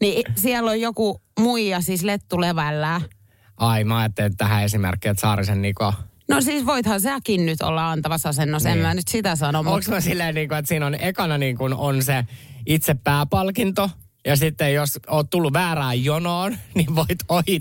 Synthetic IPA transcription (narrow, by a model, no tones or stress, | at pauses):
nisiɛlːojjokumuijɑsislet̪ːuleʋælːæː | ʔɑimɑjɑt̪ːelet̪t̪æhæesimḛrkːiet̪sɑːɾisenniːkoɑnosiːsʋoit̪hɑnsæːkinnyt̪o̰lːɑɑnt̪ɑʋɑsɑsenːosemmænyt̪sit̪æsɑnomoŋksmsilːeinniːŋkuet̪siːnonekɑnɑniːŋkunonseit̪sepːæːpɑlkint̪o | jɑsit̪ːejosoːt̪t̪ulːuʋʋæːɾæːjjonoːnniʋʋoit̪oi